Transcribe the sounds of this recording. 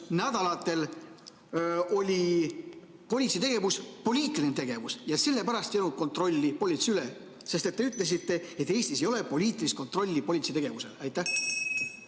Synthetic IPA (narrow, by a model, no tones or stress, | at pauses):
næd̪̥ɑlɑt̪ːˑe̞l | o̞lʲi | po̞lʲit̪sit̪e̞ɡ̥e̞vuspo̞lʲiːt̪ːˑilint̪e̞ɡ̥e̞vusjɑse̞lːe̞pæɾɑst̪jɑnut̪̚ko̞nt̪ro̞lʲːipo̞lʲit̪siyle | se̞st̪e̞t̪ːe̞yt̪ːˑle̞s̬it̪ːe̞et̪ːˑe̞ːsʲt̪isejo̞le̞po̞lʲiːt̪ːˑilist̪̚ko̞nt̪ˑɾro̞lʲːipo̞lʲit̪sit̪e̞ɡ̥e̞vuse̞̰lɑjt̪ˑːæh